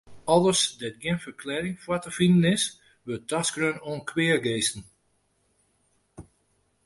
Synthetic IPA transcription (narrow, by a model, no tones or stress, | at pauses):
ɔlˠəsdɛt̚ɡjɪnfərkʰlɛːɾɪŋfwatəfindənɪs | ʋøtʰasɡ̥rønoənkʰwɪərɡeːsn̩